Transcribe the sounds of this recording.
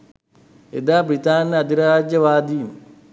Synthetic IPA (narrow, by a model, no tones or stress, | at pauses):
ed̪aːbɾit̪aːnːɐɐd̪iɾaːd͡ʒjɐʋaːd̪iːm